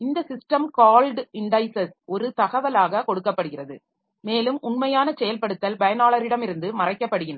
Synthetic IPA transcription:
ɪnd̪ɐsɪsʈɐmkaːlɖɪɳɖɐɪsɐsɔɾɯt̪ɐɣɐʋɐlaːɣɐkɔɽɯkːɐpːɐɽɯɣɪrɐðɯ̰ | meːlɯmʊɳmɐjaːnɐt͡ʃɛjɐlpɐɽɯt̪ːɐlbɐjɐnaːɭɐɾɪɽɐmɪɾɯnd̪ɯmɐrɐɪkːɐpːɐɽɯɣɪnɐ

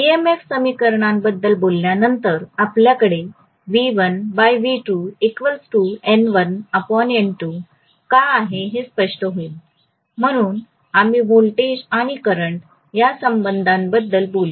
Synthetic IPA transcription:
iemefsəmikəɾɳãmbəd̪ːəlbolːjanənt̪əɾapljakəɽe | ʋiʋənbajʋiʈuekʋəlsʈuɛɳʋənəpɔneɳʈːu | kaaɦeɦespəʂʈəɦoil | m̤əɽ̃uːn | amiʋolʈed͡ʑaɽ̃ikəɾəɳʈ | jasəmbənd̪ʱãnbəd̪ːəlboli

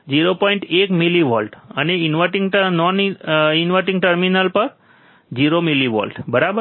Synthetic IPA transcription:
d͡ʒiɾopɔ̃iɳʈekmiliʋɔlʈəneinʋaʈiŋɡʈənɔninʋaʈĩŋɡʈəɾminəlpəɾ | d͡ʒiɾomiliʋɔ̰lʈbəɾabə

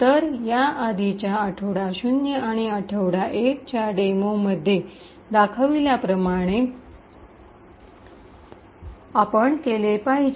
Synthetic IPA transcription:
t̪əɾjaʔad̪it͡ɕjaəʈʰəʋɽaɕunjəaɽ̃iəʈʰəʋɽaʔek̚t͡ɕjaɖemoməd̪ʱːje | d̪akʰəʋiljapɾəmaɽ̃e | apəɳkelepaɦi

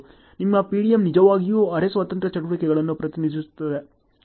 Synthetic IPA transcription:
nimːɐpiːɽijemnid͡ʒɐʋaːɡijuːɐɾesʋɐt̪ɐnt̪ɾɐt͡ʃɐʈuʋikɛɡɐɭɐnːupɾɐt̪inid̪isu̥t̪ːɐd̪e

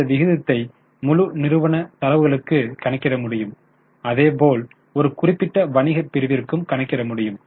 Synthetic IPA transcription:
ɐʋɪɣɯðɐt̪ːɐɪ | mʊɻʊnɪɾɯʋɐɳɐt̪ɐlɐʋɯɣɐɭɯkːɯkɐɳɐɪkːɪrɐmʊɽɪjɯm | ɐðeːpoːl | ɔɾɯkʊrɪpːɪʈːɐʋɐɳɪɣɐpːɪɾɯʋɪɾɯkːɯmkɐɳɐɪkːɪrɐmʊɽɪjɯm

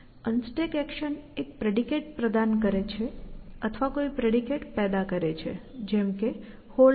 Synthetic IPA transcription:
ənsʈekɛkʃənek̚pɾeɽikeʈ̚pɾəd̪ankəɾet͡ʃʰeət̪ʰʋakoipɾeɽikeʈpɛd̪akəɾet͡ʃʰḛd͡ʒɛmke | ho

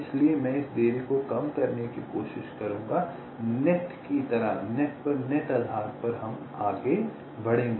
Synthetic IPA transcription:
ɪsliemɛ̃ːɪsd̪eːɾikokɐmkɐɾnekikoːʃɪʃkɐɾũːŋɡa | nɛʈkit̪ɐɾa̰nɛʈpɐɾnɛʈɐd̪ʱaːɾpɐɾɦɐm | aːɡe | bɐɽ̤ẽːŋɡe

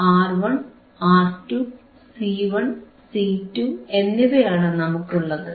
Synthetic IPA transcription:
aːrʋɐɳ | aːrtːu | siːʋɐɳ | siːtːue̞nːiʋejaːɳɨnɐmukːuɭːɐðɨ

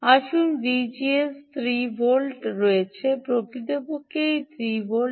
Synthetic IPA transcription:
aʃunɖid͡ʑiest̪ʰɾibolʈɾoet͡ɕʰepɾokɾit̪opokejt̪ʰɾibo

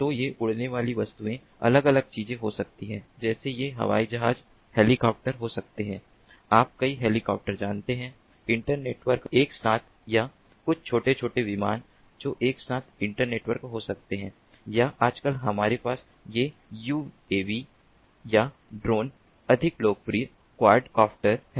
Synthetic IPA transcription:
t̪ojeʔʊɽ̤neʋaːliʋɐst̪uẽ | ɐ̰ləɡɐləɡ̚t͡ʃiːzẽɦosɐk̚t̪iɦɛ̃ːd͡ʒɛːsejeɦɐ̰ʋa̰ːid͡ʒɐɦaːd͡ʒ | heːlikɔːp̚ʈəɾɦosɐk̚t̪eɦɛ̃ː | aːp̚kɐiɦeːlɪkɔ̰ːp̚ʈəɾd͡ʒaːnt̪eɦɛ̃ː | ɪ̃ɳʈəɾneːʈʋəɾkeːksaːt̪ʰja | kʊt͡ʃʰt͡ʃʰoːʈet͡ʃʰoːʈeʋɪma̰ːn | d͡ʒoːʔeːksaːt̪ʰɪ̃ɳʈəɾneːʈʋəɾkɦosɐk̚t̪eɦɛ̃ː | jaʔaːd͡ʒkəlɦɐmaːɾepaːs | jejuː | eːʋi | ja | ɖɾoːn | ɐd̪ʱɪkloːɡfɾi | kwaːɾɖkaːpʈəɾɦ

